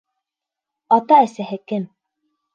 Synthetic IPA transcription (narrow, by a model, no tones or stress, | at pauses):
ɑt̪ɑæsæhɘkɘm